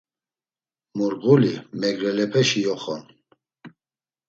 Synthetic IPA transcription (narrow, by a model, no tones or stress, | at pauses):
muɾɣulimɛɡɾɛlɛpʰɛʃijɔχɔn